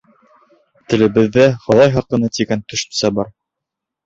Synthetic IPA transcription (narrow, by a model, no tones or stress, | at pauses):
t̪ɘ̆lɘ̆bɘ̆ðːæχɤ̆lˠɑjɦɒɾqɤ̆nɤt̪iɡænt̪ɵ̆ʃɘ̥̆nsæbɑɾ